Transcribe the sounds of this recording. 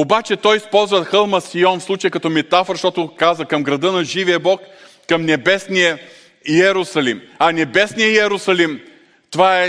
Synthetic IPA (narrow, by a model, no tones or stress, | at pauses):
obat͡ʃɛt̪ɔjispɔlˠzvəxɤlˠmɐsiɔnfslˠut͡ʃəjəkɐt̪ɔmɛt̪afɾʃt̪ɔt̪ʊkazəkɐmɡɾɐd̪ənɐʒivijəbɔkː | ɐmnɛbɛsnijə | iɛɾʊsɐlḭmɐnɛbɛsnijəɛɾʊsɐlim | t̪ovaɛ